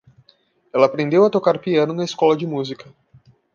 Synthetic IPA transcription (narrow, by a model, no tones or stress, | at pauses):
ɛlɐːpɾẽnd̪ewɐt̪okaɾpiɐ̃nʊnɐeskɔlɐd͡ʒɪmuzikɐ